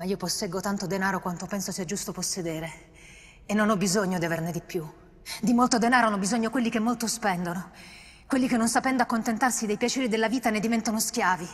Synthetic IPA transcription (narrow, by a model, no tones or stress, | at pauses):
maiːoposːɛɡot̪ant̪od̪enaːɾokwant̪opɛnsosiɛd͡ʒːust̪oposːed̪eːɾe | enːonɔbːizoɲːod̪iaverned̪ipːju | d̪imolt̪od̪enaːɾoanɔbːizoɲːokwelːikemːolt̪ospɛnd̪ono | kwelːik̟enːonsapɛnd̪oakːont̪ent̪arsid̪ejpjat͡ʃɛːɾid̪elːaviːt̪aned̪ːivɛnt̪onoskjaːvi